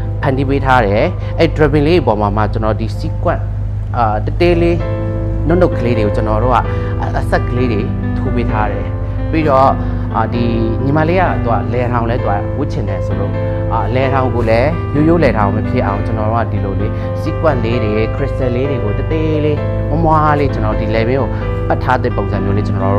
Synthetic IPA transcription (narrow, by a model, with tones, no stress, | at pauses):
pʰã˨ndi˦pe˦tʰa˦ɾɛ˨ | ʔɛ˦i˦˨dɹa˨bɪ̃˨le˦i˨pɔ˨ma˨ma̰˦˨t͡ɕənɔ˨di˨si˦kwã̰˦˨ | tət̪e˦le˦ | no˦ʔno˦˨ʔkʰːə˨le˦ɾe˨o˨t͡ɕənɔ˨ɾo̰˦˨ʔa̰˦˨ | ʔə˨sɛ˦ʔkːə˨le˦de˨ | tʰo˦pe˦tʰa˦ɾɛ˨ | pi˦ɾɔ˦˨ | di˨ɲĩ˨ma˨le˦a̰˦˨t̪u˨a̰˦˨lɛ˨ɾã˨lɛ˦t̪u˨a̰˦˨wʊ˦˨t͡ɕʰɪ̃˨ndɛ˨sʰo˨lo̰˨ | ʔa˨lɛ˨ɾã˨ʊ̃ŋɡo˨lɛ˦ | nu˨jo˦˨lɛ˨ɾã˨ʊ̃mə˨pʰjɪ˦ʔã̰˨ʊ̃t͡ɕənɔ˨ɾo̰˦ʔa̰˦˨di˨lo˨le˦ | sḭ˦˨kwã˦˨ʔle˦ɾe˨kʰɹɪ˦˨stɛ˨le˦ɾe˨ɡo˨tə˨t̪e˦le˦ | ŋʊ̃˦mwa˦le˦t͡ɕə˨nɔ˨ɾo˦˨di˨lɛ˨bɪ̃˦ɡo˨ | pa˦˨tʰːa˦d̪ðɛ̰˦˨põ˨ʊ̃nzã˨mjo˦le˦t͡ɕə˨nɔ˨o˦˨